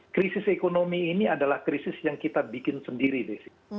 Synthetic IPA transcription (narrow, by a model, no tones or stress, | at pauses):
kɾisɪsekonomiːniadalahkɾisɪsjaŋkit̪abikɪnsəndiɾidɛsi̥